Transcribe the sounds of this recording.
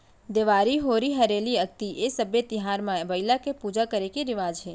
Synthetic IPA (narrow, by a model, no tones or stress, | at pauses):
d̪eʋaɾiɦoɾiɦəɾeliəɡ̚t̪iʔesəbjet̪ɪɦaɾmãʋəjlakepud͡ʒakəɾekiɾɪʋad͡ʒɦe